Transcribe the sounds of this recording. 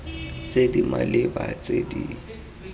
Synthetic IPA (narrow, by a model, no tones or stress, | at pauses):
t͡sʼedimalɪbat͡sʼedi